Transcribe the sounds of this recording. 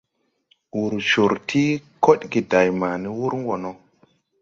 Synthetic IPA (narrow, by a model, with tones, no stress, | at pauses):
wu˨ɾʃo˨ɾtʰi˦ko˦ɗɡi˨da˨jmaː˨ni˦wu˦ɾŋɡo˨no˨˦